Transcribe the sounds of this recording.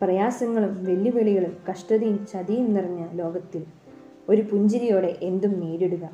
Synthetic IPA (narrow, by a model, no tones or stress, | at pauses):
prɐjaːsɐŋːɐɭumʋɐljuʋeɭiɣɐɭumkɐʂʈɐðijumt͡ɕɐðijumnirɐɲːɐlo̞ːɡɐt̪ːil | o̞ɾupuɲd͡ʑɐɾijo̞ːɽe̞ʔend̪umneːɾeɽuɣɐ